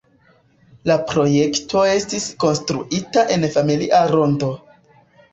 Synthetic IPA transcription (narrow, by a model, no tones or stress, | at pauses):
lapɾo̞je̞ktʰo̞e̞stisko̞nstɾṵʔitaʔe̞nfamiliʔaɾo̞ndo̞